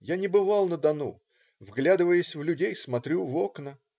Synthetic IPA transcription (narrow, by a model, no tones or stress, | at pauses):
janʲɪbɨvɑlˠnəd̪ɐnu | vɡlʲad̪ɨvəjɪsʲvlʲʉdʲejsmɐt̪ɾʲuvo̞knə